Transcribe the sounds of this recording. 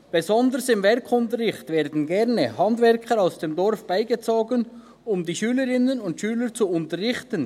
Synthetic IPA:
b̥ezɔndəɾsɪmvɛɾkʰʊntəɾɪxtv̥eːɾdn̩ɡɛʁnəhɑndvɛɾkʰəɾaʊsd̥eːmdɔɾfb̥aɪɡət͡soːɡən | ʊmdiːʃyːləɾɪnənʊntʃyːlət͡suʊntəʁɪçtən

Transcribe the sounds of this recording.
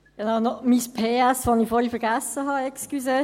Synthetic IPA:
ɡ̥enaʊnɔmispʰeːæsfonifoːɾhifɛɾɡæsːəɦɑɛkskyse

